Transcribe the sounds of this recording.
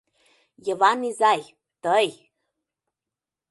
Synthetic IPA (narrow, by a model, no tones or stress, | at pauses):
jəvanizaj | t̪əj